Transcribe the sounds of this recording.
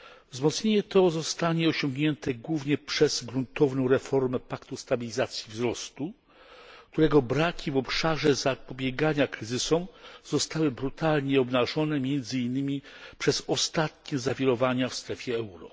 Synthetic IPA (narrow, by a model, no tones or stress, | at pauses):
vzmɔt̪sɲeɲɛt̪ɔzɔst̪aɲɛɔɕɔŋɡɲɛnt̪ɛɡwuvɲɛpʂɛz̥ɡɾunt̪ɔvnɔ̃w̃ɾɛfɔɾmɛpakt̪ust̪abʲilʲizat̪sʲjivzɾɔst̪u | k̚t̪uɾɛɡɔbɾakʲivɔpʂaʐɛzapɔbʲjeɡaɲakɾɘzɘsɔmz̥ɔst̪awɘbɾut̪alɲɛɔbnaʐɔnɛmʲjɛnd̪zɘinːɘmʲipʂɛzɔst̪at̪ɲɛzavʲjiɾɔvaɲafst̪ɾɛfʲjɛɛwɾɔ